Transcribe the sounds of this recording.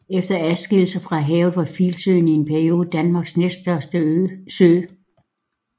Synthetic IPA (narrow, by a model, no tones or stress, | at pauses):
efd̥ɐæðˠsɡ̥el̩sɐfʁɑ̈ɦɛːʊlˠʋɑ̈filsø̰ːnie̝npʰæɐio̝ːð̩ˠəd̥ænmɑ̈ɡ̥snesd̥ɶɐsd̥əøsøː